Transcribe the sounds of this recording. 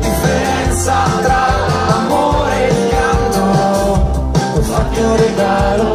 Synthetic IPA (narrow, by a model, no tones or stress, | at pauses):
d̪ifeɾɛnt̪sa | t̪ɾalamo | ɾel | aŋɡo | ofat̪ːoɾed̪al